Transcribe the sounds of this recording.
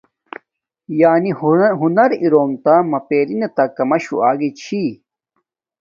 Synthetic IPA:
jaːniɦunɐɾiɾoːmt̪amɐpeːɾinet̪ɐkɐmɐɕṵaːɡit͡ɕʰi

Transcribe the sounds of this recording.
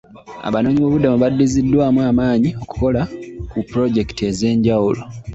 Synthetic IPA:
a̰βano̞ːɲiβo̞ːβudamuβadːizidːwaːmwaːmaːɲio̞ku̥ko̞lakupɾo̞ɟe̞ki̥te̞ze̞ːɲɟawulo̞̰

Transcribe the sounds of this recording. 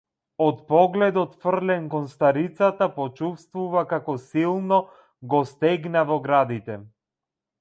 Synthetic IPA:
ɔt̪pɔɡlɛd̪ɔt̪fr̩lɛnkɔnst̪aɾit̪sat̪apɔt͡ʃufst̪vuvakakɔsilˠnɔ | ɡɔst̪ɛɡnavɔɡɾad̪it̪ɛ

